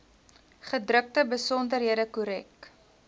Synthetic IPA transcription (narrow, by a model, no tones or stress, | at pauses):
χədrək̚təbəsɔndərɦiədəkuɾɛk